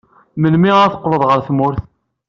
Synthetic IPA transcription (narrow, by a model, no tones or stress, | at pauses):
mənmiʁaθə̥qːləðˤʁəɾθmʊɾθ